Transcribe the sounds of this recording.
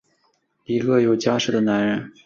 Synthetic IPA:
i˧˥kɤ˥˧jo˨˩ʊt͡ɕja˥ʂɻ̩˥˩d̪ə˩˦na˧˥nɻə˧˥n

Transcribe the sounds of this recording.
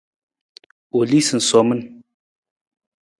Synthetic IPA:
o˨li˦sɨ˨n̩˨sɔ˨mə˦n

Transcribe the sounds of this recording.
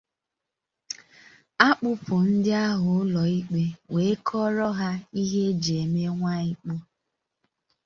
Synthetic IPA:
a˦k͡pʊ˦pʊ˨n̩˦dɪ˦a˦ɦʊ˨ʊ˦lɔ˨i˦k͡pe˦we˨e˦kʰɔ˦ɾɔ˦ɦa˦i˦ɦe˦d͡ʒe˨me˦ŋʷa˦i˦k͡pʊ˦

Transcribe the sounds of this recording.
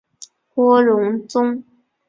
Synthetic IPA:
kwɔ˥ɻʊ˧˥ŋt͡sʊ˥ŋ

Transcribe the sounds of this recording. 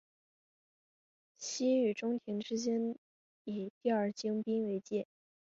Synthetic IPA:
ɕi˥y˨˩ʈ͡ʂʊ˥ŋt̪ʰi˧˥ŋʈ͡ʂɻ̩˥t͡ɕjɛ˥n | i˨˩t̪i˥˧ə˞˥˩t͡ɕi˥ŋpi˥nwe˧˥ɪt͡ɕjɛ˥˩

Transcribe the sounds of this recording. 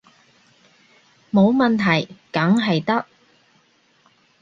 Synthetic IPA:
mo˨˧wmɐ˨nt̪ʰɐ˨˩jkɐ˨˥ŋɦɐ˨jt̪ɐ˥k̚

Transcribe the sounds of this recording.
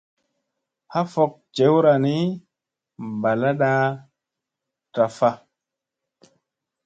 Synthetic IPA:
ha˦fo˨k̚t͡ʃe˨˦wɾa˨ni˦ | ba˨la˦ɗa˦ | ta˨fa˦

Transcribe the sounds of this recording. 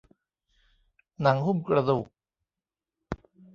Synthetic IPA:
na˩˦ŋhu˥˩mkɾa˧d̪u˨˩k̚

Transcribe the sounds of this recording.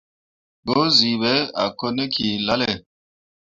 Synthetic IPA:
bo˨˦zi˨βɛ˨˦a̰˨ko˦ne˦kʰi˨la˦lɛ˨

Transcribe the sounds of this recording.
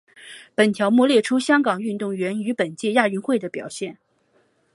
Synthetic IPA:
pə˨˩nt̪ʰjɑ˧˥ʊmwɔ˥˧ljɛ˥˩ʈ͡ʂʰu˥ɕjɑ˥ŋkɑ˨˩ŋy˥˧nt̪ʊ˥˩ŋɥɛ˧˥ny˧˥pə˨˩nt͡ɕjɛ˥˧ja˥˩y˥nxwe˥˩ɪd̪ə˩pjɑ̰˨˩ʊɕjɛ˥˩n

